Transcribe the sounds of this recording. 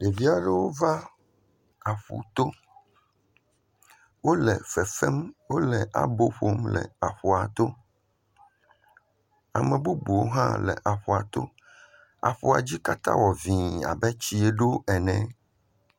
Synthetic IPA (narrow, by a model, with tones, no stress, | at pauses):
ɖe˨vi˦a˨ɖɛ˨wo˦va˦ | a˨ɸṵ˨t̪o˦ | wo˦lɛ̰˨fɛ˨fɛ˦mwo˦lɛ˨ʔa̰˨bo˦ɸo˦mlɛ̰˨a˨ɸo˨a˨t̪o˦ | a̰˨mɛ̃˨bu˦bu˨wo˦ɦã̰˦lɛ̰˨ʔa˨ɸo˨a˨t̪o̰˦ | a̰˨ɸu˨a̰˨d͡ʑi˦ka˦t̪ã̰˦wɔ˨vĩ˨a̰˨bɛ˦t͡ɕi˦e˦ɖo˦ɛ˨nɛ̃˨